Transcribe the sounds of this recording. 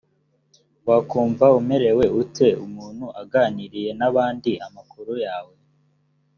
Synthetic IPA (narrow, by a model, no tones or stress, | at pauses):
wakuːɱvaume̞ɾe̞we̞utʰe̞umuːnhuʔaɡaniɾije̞naβaːndiamakuɾujaːwe̞